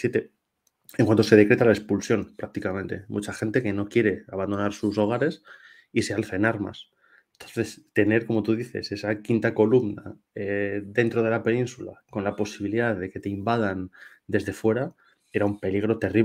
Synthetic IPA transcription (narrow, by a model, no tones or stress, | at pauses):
sjet̪e | ẽŋkwant̪o̞se̞ð̞e̞kɾe̞t̪alaespulsjo̞npɾak̚t̪ikamẽ̞nt̪e̞mut͡ʃaxe̞nt̪e̞ke̞no̞kje̞ɾe̞aβand̪o̞naɾsuso̞ɣ̞aɾe̞s | ise̞alθenaɾma̰s | ent̪o̞nθe̞st̪e̞ne̞ɾko̞mo̞t̪uðiθe̞̰se̞sakint̪ako̞lumna | eðe̞nt̪ɾo̞ð̞e̞lape̞nĩnsula̰ko̞nlapo̞siβ̞iliðaððe̞ke̞t̪e̞imbaðand̪e̞zðe̞fwe̞ɾa | eɾaumpe̞liɣ̞ɾo̞t̪e̞ri